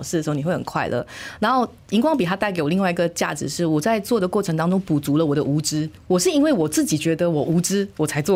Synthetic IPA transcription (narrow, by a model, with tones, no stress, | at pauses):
ʊʂɻ̩˥˩də˩ʂ̩˧˥˧ni˨˩we˥˩ɪxə˨˩ŋkʰwa̰˥˩ɪlʔə̰˩na˧˥nxo˥˩ʊ | i˧˥ŋkwɑ˥ŋpi˨˩t̪ʰa˥t̪a˥˩ɪke˧˥ɪwɔ˨˩li˥˧wa˥˩ɪi˧˥ɡə˨t͡ɕja̰˥˩ʈ͡ʂɻ̩˧˦ʂɻ̩˥˩wɔ˨˩t͡sa˥˧ɪt͡swɔ˥˩d̪ə˩kwɔ˥˩ʈ͡ʂʰɤ˧˥ŋt̪ɑ˥ŋʈ͡ʂʊ˥ŋpu˨˩t͡su˧˥lə˧wɔ˨˩d̪ə˦ʔu˧˥ʈ͡ʂɻ̩˥wɔ˨˩ʂɻ̩˥˩i˥nwe˥˩ɪwɔ˨˩t͡sɹ̩˥˩t͡ɕi˨˩t͡ɕɥɛ˧˥d̪ə˧wɔ˨˩ʔu˧˥ʈ͡ʂɻ̩˥wɔ˨˩t͡sʰa˧˥ɪt͡swɔ˥˨˩